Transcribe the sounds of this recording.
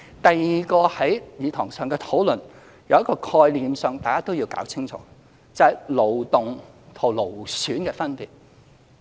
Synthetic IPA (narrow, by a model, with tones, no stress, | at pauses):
t̪ɐ˨jːiː˨kɔː˧hɐ˨˥jiː˨˧t̪ʰɔː˨˩ŋsœː˨ŋkɛː˧t̪ʰo˨˥wlɵ˨˩n | jɐ˨wjɐ˥kɔː˧kʰɔː˧jliː˨˧msœː˨ŋt̪aː˨jkaː˥t̪o˥wjiː˧wka̰ː˨˥wt͡sʰɪ˥ŋt͡sʰɔ̰ː˨˥ | t͡sɐ˨hɐ˨jlo˨˩wt̪ʊ˨ŋt̪ʰo˨˩wlo˨˩wsyː˨˥nkɛː˧fɐ˥npiː˨˩t̚